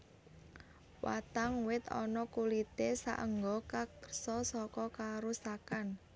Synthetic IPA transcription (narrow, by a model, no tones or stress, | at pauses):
wa̰t̪aŋwɪt̪ɔ̰nɔkulit̪esa̰ʔə̰ŋɡɔkakərsɔsɔkɔkaɾusakan